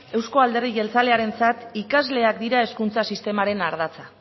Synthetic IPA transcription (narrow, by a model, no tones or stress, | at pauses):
e̞wsko̞ald̪e̞riɣe̞lt͡sale̞aɾe̞nt͡sat̪ikazle̞akd̪iɾae̞skunt͡sasist̪e̞maɾe̞naɾð̞at͡sa